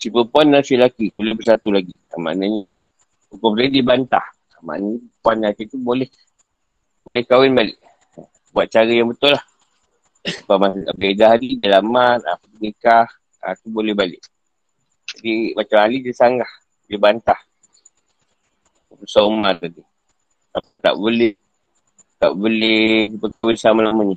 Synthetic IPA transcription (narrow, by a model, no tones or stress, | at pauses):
sipəpuanːasilakibolɛbərsat̪ulaɡi | a̰ma̰ʔnaɲə | ukɔpəsaidibant̪a̰h | ama̰naɲapuanːakit̪ubolɛh | bolɛhkawɪnbalɪʔ | buat̪̚t͡ʃaɾəjaŋbət̪ʊlah | pamabedaɦaɾidalamana̰pət̪uɡikah | a̰t̪ubolɛhbalɪʔ | d͡ʒadimat͡ʃamhalidəsaŋɡah | d͡ʒəbant̪ah | əpəsaumat̪adi | apt̪a̰ʔbolɛh | t̪a̰ʔbolɛpəkawɪnsamalaməɲə